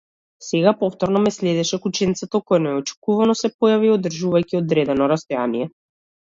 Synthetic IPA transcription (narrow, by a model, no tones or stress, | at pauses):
sɛɡapɔft̪ɔɾnɔmɛslɛd̪ɛʃɛkut͡ʃɛnit̪sɛt̪ɔkɔjanɛɛɔt͡ʃɛ̥kuvanɔsɛpɔjaviod̪r̩ʒuvajcʲiod̪ɾɛd̪ɛnɔɾast̪ɔjaniɛ